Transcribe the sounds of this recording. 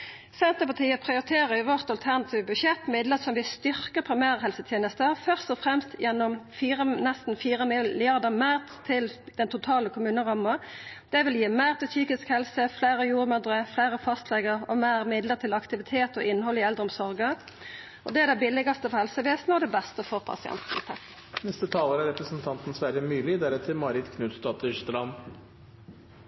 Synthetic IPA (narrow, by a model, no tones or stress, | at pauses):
sɛnt̪əpɑt̪ʰiːəpʰʁɪʊɾɪt̪ʰeːʁəjʊʋɔʁt̪ɑlt̪ʰæʁnɑt̪ʰiːʋəbʉʃɛt̪mɪd̪lətsɔmʋɪst̪ʏʁkəpʰɾɪmæːʁɦɛlsət̪ʰjeːnəst̪əfœʁst̪ɔfʁɛmst̪jɛnːɔmfiːʁənɛst̪n̩fiːɾəmɪɪɑʁd̪əmæːʁtt̪ʰɪld̪̥ɛnt̪ʰʊt̪ʰɑːləkʰʊmʉːnəʁɑmːə | d̪̥ɛʋɪljiːmæːʁt̪ɪlsyːkɪskhɛlsəflæːʁəjuːʁmœd̪ʁəfleːʁəfɑst̪ʰlɛɡəʁɔmeːʁmɪd̪ləʁt̪ʰɪlɑkt̪ɪʋɪt̪ʰeːt̪ɔʔɪnːɦɔlɪɛld̪ʁəɔmsɔʁɡə | ɔd̪ɛæɾd̪æɪbɪlɪɡɑst̪əfɔhɛlsəʋeːsnəɔd̪ɛbɛst̪əfɔʁpʰɑ̰sɪɛ̰nt̪nɪ̰t̪ʰɛ | nɛst̪ət̪ʰɑːləɾæɾɛpɾəsn̩t̪ʰɑnt̪n̩sʋæɾjəmyːlɪd̪æɾɛt̪ʰɪmɑːɾɪt̪kʰnʉːt̪st̪ɑːt̪ʏçt̪əlɑn